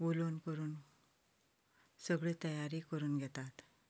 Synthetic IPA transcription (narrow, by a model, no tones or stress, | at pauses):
ʋulonkəɾuːn | səɡɭeːt̪əjaɾiːkəɾuːnɡʱɛt̪at̪